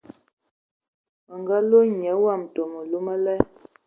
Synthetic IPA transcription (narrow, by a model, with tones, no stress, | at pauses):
ə˨ŋɡa˦lo˦ɲə˨˦wa˦˨m˨to˨mə˨lu˦mə˦lɛ˦